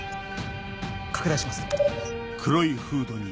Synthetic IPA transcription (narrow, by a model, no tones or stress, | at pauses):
kʰḁkɯ̟d̪aɕimasɨ̥ | kʰɯɾo̞iɸɯːd̪o̞ɲ̟i